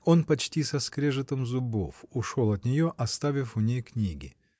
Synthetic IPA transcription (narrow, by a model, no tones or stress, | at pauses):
o̞npɐt͡ɕtʲisɐskɾʲeʐɨt̪əmzʊbo̞̰fʊʂo̞lˠɐt̪nʲɪjoʔɐst̪avʲɪfʊnʲejknʲiɡʲɪ